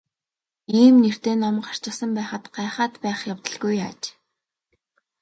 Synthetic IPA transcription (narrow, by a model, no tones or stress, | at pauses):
iːmner̥t̪eːnɔmɢar̥t͡ɕə̆sə̆mpæːχə̆t̪ɢ̥aːχaːt̪pæːχjawt̪ə̆ɮɡuja̰t͡ɕ